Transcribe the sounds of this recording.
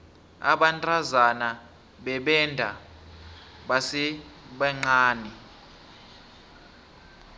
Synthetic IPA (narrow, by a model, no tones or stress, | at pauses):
a̰ɓantʼazana | ɓɛɓɛndʱa̰ | ɓasɛɓɛŋ͡ǀaːni